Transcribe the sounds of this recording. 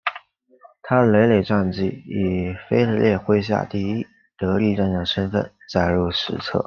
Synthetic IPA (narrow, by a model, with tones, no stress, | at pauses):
t̪ʰa˥ə˨le˧˥ɪle˨˩ɪʈ͡ʂa˥˧nt͡ɕi˥˩i˨˩fe˥ɪle˧˥ljɛ˥˧xwe˥ɪɕ̬ja̰˥˧t̪i˥˧i˥ | t̪ɤ˧˥li˥˧ʈ͡ʂə˥˩njɑ˨˩ʂə˥nfə̰˥˧˩nt͡sa˥˩ɪɻu˥˩ʂɻ̩˧˥t͡sʰɤ̰˥˩